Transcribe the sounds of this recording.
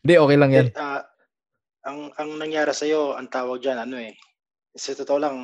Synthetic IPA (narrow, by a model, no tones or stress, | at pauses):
d̪ɪʔo̞ːkɛjlaŋjana | ʔɐŋɐŋnɐŋjaːɾɪsɐjo̞ɐŋt̪aːwɐɡ̚d͡ʒanɐno̞ʔɛ | sɐt̪ot̪oolaŋ